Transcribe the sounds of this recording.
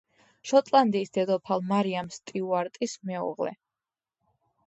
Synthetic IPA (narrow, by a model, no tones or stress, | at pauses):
ʃɔt̪ʼlˠand̪iːsd̪̥ɛd̪ɔpʰalˠmaɾiamst̪ʼiuaɾt̪ʼismɛṵʁlɛ̰